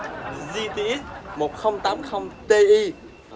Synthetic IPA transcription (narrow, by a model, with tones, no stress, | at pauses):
zi˧t̪i˧˨i˦˥t̚mo˨˩t̚xə˧wŋ͡mt̪aː˨˦˥mxə˧wŋ͡mt̪e˧ʔi˧